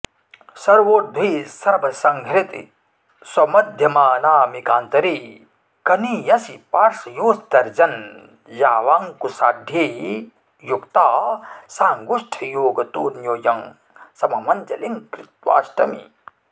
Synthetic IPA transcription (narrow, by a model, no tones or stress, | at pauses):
sɐɾʋoːd̪ʱwiːsɐɾbʱɐsɐŋɡʱɾit̪ḭ | swɐmɐd̪ʱjɐmaːnaːmikaːnt̪ɐɾi | kɐnijɐsipaːɾʂɐjoːst̪ɐɾd͡ʒɐn | jaːʋaːŋkusaːd̪ʱji | jukt̪aːsaːŋɡuʂʈʰɐjoːɡɐt̪uːnjoːjɐŋ | sɐmɐmɐnd͡ʒɐ̰liŋkɾɪt̪ʋa̰ːʃʈɐ̰mḭ